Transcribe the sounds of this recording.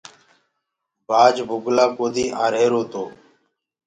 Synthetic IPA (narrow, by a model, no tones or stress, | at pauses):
baːd͡ʒbʱʊɡlaːkoːd̪iːʔãːɾeːɾoːt̪oː